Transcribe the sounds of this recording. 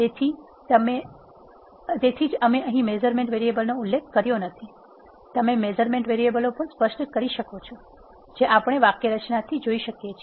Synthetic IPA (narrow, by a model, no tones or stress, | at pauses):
t̪et̪ʰi | t̪əme | t̪et̪ʰid͡ʒəmeʔəɦĩmed͡ʒəɾmẽɳʈʋeɾiebəlnoʊlːekʰːəɾjonət̪ʰi | t̪əmemed͡ʒəɾmẽɳʈʋeɾiebəlopəɳspəʃʈkəɾiʃəkot͡ʃʰo | d͡ʒeʔapɳ̃eʋakeɾət͡ʃnat̪ʰid͡ʒoiʃəkjet͡ʃʰ